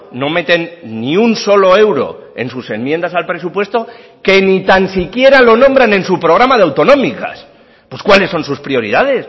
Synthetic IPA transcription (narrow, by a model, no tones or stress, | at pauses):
no̞me̞t̪e̞nːiunso̞lo̞e̞wɾo̞̰e̞̰nsuse̞mmje̞nd̪asalpɾe̞supwe̞st̪o̞ | ke̞nit̪ansikje̞ɾalo̞nõ̞mbɾanẽ̞nsupɾo̞ɣ̞ɾamaðeawt̪o̞nõ̞mika̰s | pwe̞skwale̞sːo̞nsuspɾio̞ɾḭðað̞e̞s